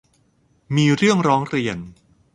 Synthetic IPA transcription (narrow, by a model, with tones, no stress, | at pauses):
miː˧ɾɯ˥˩əŋɾɔː˦˥ŋɾi˧ən